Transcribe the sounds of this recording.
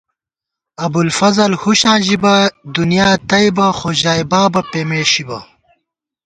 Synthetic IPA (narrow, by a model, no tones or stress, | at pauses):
ɐbulfɐzɐlhuɕãːʑibɐd̪unijaːt̪ɐjbɐxoʑaːibaːbɐpeːmeːɕibɐ̰